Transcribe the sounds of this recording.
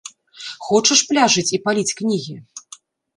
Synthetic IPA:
xɔt͡ʂɐʂplʲaʐɨt͡sʲipalʲit͡sʲknʲiɣʲi

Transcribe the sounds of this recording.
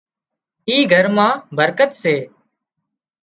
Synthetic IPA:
iːɡʱəɾmãːbʱəɾkət̪seː

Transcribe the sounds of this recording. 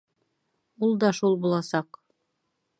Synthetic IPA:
ulˠd̪ɑʃulˠbulˠɑsɑq

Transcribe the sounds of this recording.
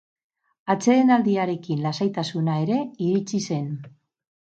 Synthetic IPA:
at͡se̞ðenald̪iaɾe̞kinlasajt̪asunaeɾe̞iɾit͡sise̞n

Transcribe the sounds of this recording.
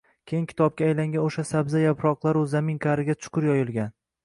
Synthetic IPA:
kʲʰejɪŋkʲʰɪ̥t̪ʰɒb̚kʲaːjlaŋɡʲanoʃasabzajapɾɒqlˠaɾɵzːamɪŋkʲʰaɾɪɡʲat͡ʃʰʊ̥qʰʊɾjɒjɪlˠɡʲan

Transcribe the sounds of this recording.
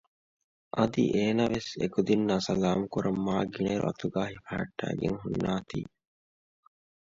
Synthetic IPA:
ʔɐd̪ḭʔeːnaːʋesekud̪inːaːsɐlaːmukuɾʔɐmːaːɡiɳeɾṵʔɐt̪uɡaːɦifɐɦɐʈːæ̰ːɡḛŋɦunːaːt̪ḭː

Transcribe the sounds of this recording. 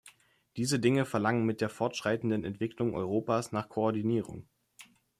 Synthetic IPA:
d̥iːzədɪŋəfɛɐlaŋənmɪt̚d̥eːɐfɔɐtʃʁ̥aɪtn̩dənɛntv̥ɪklʊŋʔɔ̰ʏʁoːpaːsnaːχkʰoɔɐdiniːʁʊ̰ŋ

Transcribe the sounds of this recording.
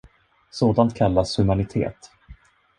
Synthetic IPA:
soːd̪ant̪̚kʰalːashɵmanɪt̪ʰḛːt̪

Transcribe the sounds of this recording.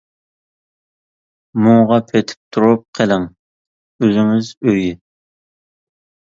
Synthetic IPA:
muŋʁɑpʰet̪ʰɪ̥p̚t̪ʰuɾup̚qʰəlɪŋ | øzɪŋɪzøjɪ

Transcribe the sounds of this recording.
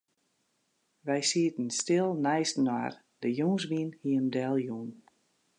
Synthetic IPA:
ʋɛjsiətən̩stɪlˠnɛjstnwa̰r | dəjuːŋsbinhiəmdɛlˠjun

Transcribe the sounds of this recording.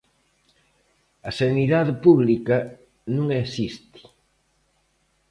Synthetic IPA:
ɐseniðaðepuβlikɐ | nũŋesist̪i̥

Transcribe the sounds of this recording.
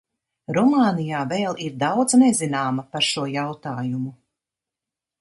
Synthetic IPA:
ɾɔmaːnijaːveːlˠiɾd̪awd̪znɛzinaːmapaɾʃuɔjawt̪aːjumu

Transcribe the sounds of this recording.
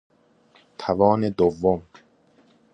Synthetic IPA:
t̪ʰævɒːne̞d̪ovːom

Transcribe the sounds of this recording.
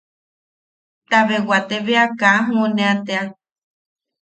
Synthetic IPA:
t̪aβewat̪eβeakaɦũonẽat̪ea

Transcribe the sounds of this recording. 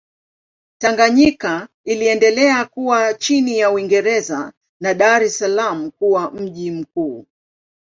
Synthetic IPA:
taŋɡaɲika | iliɛndɛlɛakuwat͡ʃinijauwiŋɡɛɾɛza̰ | naɗaɾɛsalam̩kuwam̩ʄim̩kuː

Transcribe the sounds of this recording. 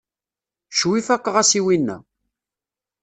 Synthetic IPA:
ʃwifækːəʁæsiwinːæ̰

